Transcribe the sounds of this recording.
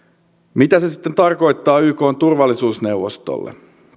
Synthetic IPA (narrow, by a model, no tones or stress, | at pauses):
mit̪æse̞si̥t̪ːent̪ɑrko̞jt̪ːɑːyːko̞ːnt̪urʋɑlːisuːsne̞wʋo̞̰st̪o̰lːʔḛ